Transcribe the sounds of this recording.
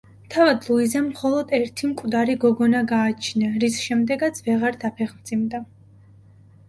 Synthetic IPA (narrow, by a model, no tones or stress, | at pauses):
t̪ʰavad̪lˠuizɛmχɔlˠɔd̪ɛɾt̪ʰimkʼvd̪aɾiɡɔɡɔnaɡaːt͡ʃʰnaɾisʃɛmd̪ɛɡat̪sʰvɛʁaɾd̪apʰɛχmt̪zsʰimd̪a